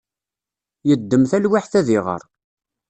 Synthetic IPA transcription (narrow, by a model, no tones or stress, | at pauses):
jəd̪ːəmθælwaħθæðɪʁə̰ɾˤ